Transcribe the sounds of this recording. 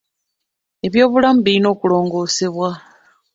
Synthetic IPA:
e̞βjo̞ːβulamubiɾino̞ːkulo̞ːŋɡo̞ːse̞βwa

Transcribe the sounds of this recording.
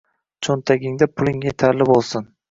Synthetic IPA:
t͡ʃʰont̪ʰaɡʲɪŋd̪apʰʊlˠɪŋjet̪ʰaɾlɪbolˠsɪn

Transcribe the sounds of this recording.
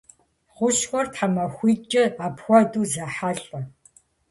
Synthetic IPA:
χʷʊʃxʷɔrtħamɐxʷiːt͡ʃʼɪapxʷɔduːzaħaɬɔ

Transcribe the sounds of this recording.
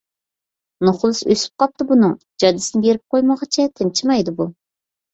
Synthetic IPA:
noχlˠɨsø̰sy̥p̚qɑp̚t̪ɨbunɨŋ | d͡ʒɑd̪ɪsɨnɪbeɾɪp̚qʰojməʁɑt͡ʃʰɛt̪ʰɪnt͡ʃʰimɑjd̪ɨbu

